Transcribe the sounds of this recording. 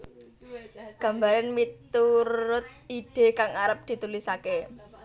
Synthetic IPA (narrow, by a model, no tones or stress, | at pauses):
ɡ̥ä̤mbaɾanmit̪uɾɾʊt̪̚id̥e̤kaŋaɾəp̚d̪̥i̤t̪ulisake